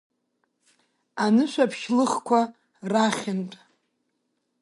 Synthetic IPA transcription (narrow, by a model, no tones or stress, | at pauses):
anɨʃʷᶣapʰʃlɨχkʷʰa | raχʲɪntʼ